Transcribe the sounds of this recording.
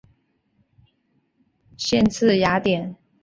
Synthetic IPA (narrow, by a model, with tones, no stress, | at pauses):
ɕjɛ˥˧nt͡sʰɹ̩˥˩ja˧˥t̪jɛ˨˩˦n